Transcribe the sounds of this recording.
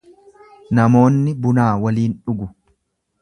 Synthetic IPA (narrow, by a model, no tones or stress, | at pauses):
nɐmo̞ːnːɪbʊnaːwɐliːnᶑʊɡʊ